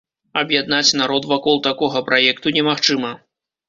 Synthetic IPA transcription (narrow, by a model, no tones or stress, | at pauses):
ɐbjad̪nat͡sʲnaɾɔt̪vakɔlˠt̪akɔɣɐpɾajɛkt̪unʲɛmaxt͡ʂɨmɐ